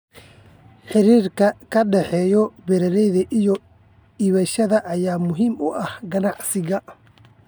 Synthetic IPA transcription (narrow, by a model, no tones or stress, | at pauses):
ħɪɾiːrkʰɐkʰɐɖɛħɛːjɔbɛɾɐlɛjðɐʔijɔ | iːβɐʃɐðɐʔːjaːmʊɦiːmʊʔɐhɡɐnɑʕsɪɣɐ